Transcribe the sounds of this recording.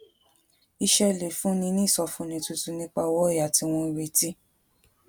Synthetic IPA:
i˧ʃɛ˧le˨fũ˨˦nĩ˧nĩ˦˨sɔ˧fũ˧˦nĩ˧tu˧tu˧nĩ˦k͡pa˧wɔ˦˨ja˨ti˧w̃ɔ̃˧i˧we˧ti˦

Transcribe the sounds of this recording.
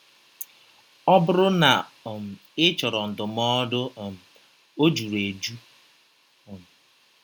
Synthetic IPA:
ɔ˦bʊ˦ɾʊ˦na˨m̩˨ | ɪ˦t͡ʃɔ˨ɾɔ˨n̩˨dʊ˨m˦ɔ˦dʊ˦˨m̩˨ | o˦d͡ʒu˨ɾe˨d͡ʒu˦˨ | m˨

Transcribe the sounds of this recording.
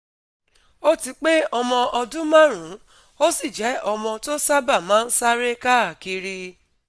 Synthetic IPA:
o˦ti˧k͡pe˦ɔ˧mɔ̃˧ʔɔ˧dũ˦mã˦ɾ̃ũ˨˦ | o˦si˦˨d͡ʒɛ˨˦ɔ˧mɔ̃˧to˦sa˦ba˦˨mãː˨˦n̩˦sa˦ɾe˦ka˦˨ki˧ɾi˧

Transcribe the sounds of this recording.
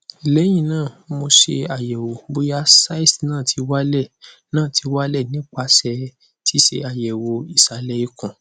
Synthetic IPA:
i˨lɛ˨˦j̃ĩ˦˨nãː˦˨mo˧ʃe˧a˨jɛ˨wo˨bo˧ja˧˦sa˦i˦˨snãː˦˨tʰi˧wa˦lɛ˦˨ | nãː˦˨tʰi˧wa˦lɛ˦˨nĩ˨˦k͡pa˧sɛ˧ | tʰi˦ʃe˧a˨jɛ˨wo˨˧i˨sa˨lɛ˧i˧kɔ̃˨

